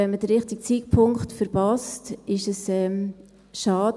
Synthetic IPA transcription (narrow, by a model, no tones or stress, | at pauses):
ɛnməd̥əɾːɪχtik̚t͡siːk̚pʰʊŋkχtfəɾpɑstɪʃəsɛːm | ʃɑːd